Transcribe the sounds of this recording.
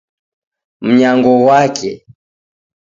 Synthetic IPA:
m̩ɲaŋɡɔwakʰɛ

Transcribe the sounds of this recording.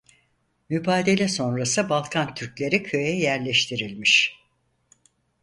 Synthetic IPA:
mybaːd̪e̞lʲɛso̞nɾasɯbalˠkʰant̪ʰyɾclʲe̞ɾicʰø̞jɛjæɾlʲɛʃt̪ʰiɾilʲmiʃ

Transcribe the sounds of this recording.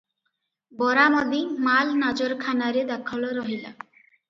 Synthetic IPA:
bɔɾamɔd̪imalnad͡ʑoɾkʰanaɾed̪akʰɔloɾɔɦila̰

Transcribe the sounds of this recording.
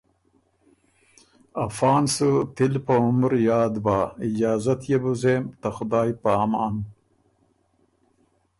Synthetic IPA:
ɐfɑːnsət̪ɪlpɐʊmɾjɑːd̪baːɪd͡ʑaːzɐt̪jebuzeːmt̪ɐxʊd̪ɑːjpaːmɑːn

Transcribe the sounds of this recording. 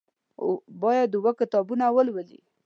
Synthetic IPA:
bɑjad̪uwəkɪt̪ɑbunawəlwəlḭ

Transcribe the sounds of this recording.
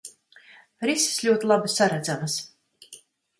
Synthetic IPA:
ɾisi̥slʲuɔt̪ilˠabisːaɾad̪zamas

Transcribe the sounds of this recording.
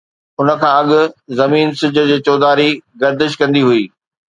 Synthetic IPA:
ʊnə̆kʰãːɐɠʊ̆zɐmiːnsɪd͡ʑʱʊ̆d͡ʑeːt͡ɕɔːd̪aːɾiɡɐɾd̪ɪʃ̬kɐ̃nd̪iɦuiː

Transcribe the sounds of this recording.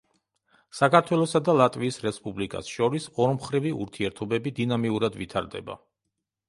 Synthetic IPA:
sakʰaɾt̪ʰwɛlˠɔsad̪alˠat̪ʼviːsɾɛspʼublikʼa̰sʃɔɾisɔɾmχɾiviṵɾt̪ʰiɛɾt̪ʰɔbɛbid̪inamiuɾad̪vit̪ʰaɾd̪ɛ̰ba̰

